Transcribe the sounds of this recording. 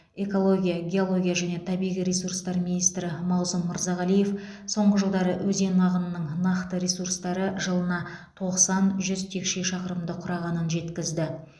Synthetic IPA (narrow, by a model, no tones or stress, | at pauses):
e̞ko̞lˠo̞ɡʲijaɡʲe̞o̞lˠo̞ɡʲijaʒæne̞t̪ʰɑbijʁijɾʲe̞surst̪ɑɾminijst̪ɾɪmɑwsʊmːəɾzɑʁɑlije̞f | so̞ɴʁəʒəlˠd̪ɑɾəwɵze̞nɑʁənənəɴnɑqt̪əɾe̞surst̪ɑɾəʒəlˠənɑt̪ʰo̞qsɑnʒʏzt̪ʰe̞kʃe̞ʃɑqəɾəmd̪əqʰʊɾɑʁɑnənʒe̞t̪kʲɪzd̪ɪ